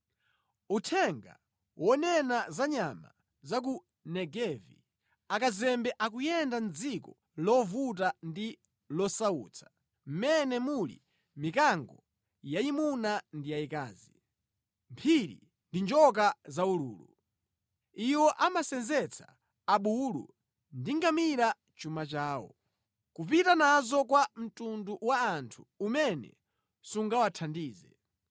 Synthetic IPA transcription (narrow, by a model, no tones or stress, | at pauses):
utʰɛŋɡa̰ | wɔnɛnazaɲama̰ | zak̬u | nɛɡɛvḭ | akazɛmbɛʔak̬ujɛndand͡zikɔ | lɔvut̬andi | lɔsaṵːt͡sʰḁ | m̩mɛnɛmulḭ | mikaŋɡɔ | jaimunandijaika̰ːzi | mpʰiɾḭ | ndind͡ʒɔk̬azaulṵːlṵ | iwɔʔamasɛnzɛt͡sʰḁː | ɓulṵ | ndiŋɡamiɾa | t͡ʃumat͡ʃaːwɔ̰ | kupitanazɔk̬wam̩tunduwaːntʰu̥ːmɛnɛ̰ | suŋɡawatʰandiːzɛ